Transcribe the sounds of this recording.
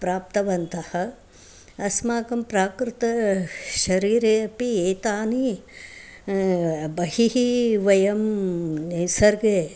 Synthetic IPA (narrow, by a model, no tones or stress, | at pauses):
pɾaːp̚t̪ɐʋɐnt̪ɐhɐ | ɐsmaːkɐmpɾaːkɾɪt̪ɐʃɐɾiːɾeːɐpieːt̪aːni | bɐɦiɦiʋɐjɐm | sɐɾɡeː